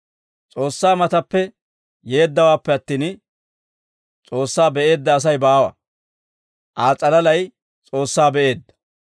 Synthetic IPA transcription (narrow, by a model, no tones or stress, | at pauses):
t͡sʼo̞ːsːaːmɐt̪ɐpːɛ | je̞ːd̪ːɐwaːpːɛɐt̪ːiːn | t͡sʼo̞ːsːaːbɛʔe̞ːd̪ːɐːs̬ɐjbaːwɐ̰ | ʔaːt͡sʼɐlɐlɐj | t͡sʼo̞ːsːaːbɛʔe̞ːd̪ːɐ̥